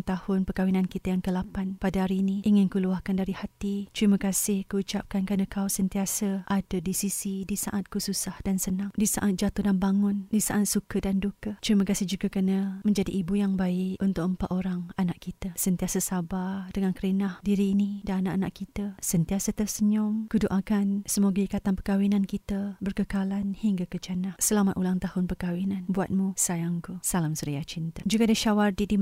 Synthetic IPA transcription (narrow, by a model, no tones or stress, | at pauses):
ŋt̪ahʊnpəkawinankit̪əajaŋkəlapanpadaɦaɾinĩʔiŋɪnkuluahkandaɾihat̪it̪ɾiməkasɪhkuut͡ʃap̚kankanəkawsənt̪iasəʔadadisisidisaʔat̪̚kususahdansənãŋdisa̰ʔat̪̚d͡ʒat̪uhdanbaŋʊndisaʔat̪̚sukədandukət̪ɾiməkasɪhd͡ʒuɡakənəmə̃ɲd͡ʒadiʔːbujaŋbaɪʔʔunt̪ʊk̚əmpat̪oɾaŋanaʔkit̪asənt̪iasəsabadəŋankəɾinahdiɾiːnidaanaʔanaʔkit̪əsənt̪iasət̪əsəɲʊmkuduʔakansəmuɡəikat̪anpəkawinankit̪əbərkəkalanhiŋɡakət͡ʃanahsəlamat̪ʔulaŋt̪ahʊnpəkawinanbua̰t̪̚musajaŋkusalamsəɾiat͡ʃint̪ad͡ʒuɡadiʃawardidi